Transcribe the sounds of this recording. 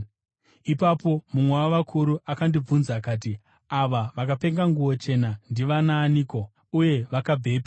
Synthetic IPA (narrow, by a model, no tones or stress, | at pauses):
ipapo̞mumwewaʋakʰuɾuʔakandib͡vunzakaːt̬i | aʋaʋakape̞ŋɡaŋɡuwo̞t͡ʃe̞nandiʋanaːniːko̞ | uje̞ʋakabʱe̞ːpa